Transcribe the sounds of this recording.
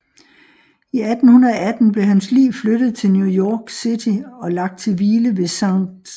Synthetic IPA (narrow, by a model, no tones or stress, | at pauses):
iæd̥n̩hunɐɒæd̥n̩b̥le̝ɦænslḭːʊflød̥ð̩ˠt͡sʰe̝lnjujɒːɡ̥sid̥ʰiɒ̽lɑ̈ɡ̥̚d̥̚t͡sʰe̝lʋiːləʋe̝sɑ̈ŋ